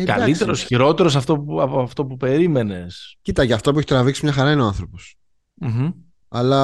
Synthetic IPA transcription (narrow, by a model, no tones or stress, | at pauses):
kɐ̰lit̪eɾosçiɾo̞t̪e̞ɾo̞s̬ɐft̪o̞puɐpoft̪o̞pupe̞ɾime̞ne̞scit̪ɐceɐft̪o̞p̬ueçi̥t̪ɾɐviksimɲɐxɐɾɐineanθɾo̞po̞s | m̩ɦ̩ | ɐlɐ